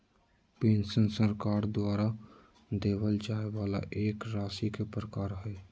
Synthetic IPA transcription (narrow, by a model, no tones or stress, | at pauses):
pẽːnsənsəɾkaːɾd̪waːɾa | d̪eːʋəld͡ʒaːeʋaːla̰ʔeːkɾaːsikepɾəkaːɾɦɛː